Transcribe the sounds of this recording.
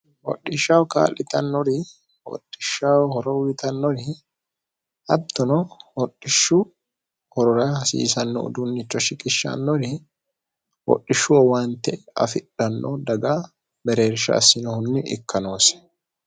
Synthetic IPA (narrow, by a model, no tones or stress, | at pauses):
wɔ̰ɗːɪʃawka̰ːlːɪt̪ɐnːɔɾɪ | wɔ̰ɗːɪʃːawhɔɾɔɪt̪ʰɐnːɔɾɪ | ɐd̪ːɔnɔwɔɗːɪʃːʊ | hɔɾɔɾɐhɐsḭːsɐnːɔ̰d̪ʊnːɪt͡ʃːɔʃɪkʼɪʃːɐ̰nːɔɾɪ | wɔ̰ɗːɪʃːʊwɔwant̪ːɛɐ̰fɪᶑɐnːɔd̪ɐɡa | bɛɾe̞ːɾʃɐ̰sːɪnɔhʊnːɪʔɪ̰kʰːɐno̞ːsɛ̥